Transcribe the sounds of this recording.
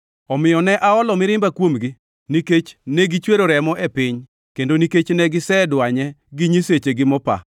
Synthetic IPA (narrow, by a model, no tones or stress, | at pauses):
ɔmɪjɔnɛʔaɔlɔmɪɾɪmbakwomɡi | niket͡ʃnɛɡit͡ʃweɾoɾɛmɔʔepɪɲ | kendoniket͡ʃnɛɡɪsɛdwaɲɛɡiɲiset͡ʃeɡɪmɔpa̰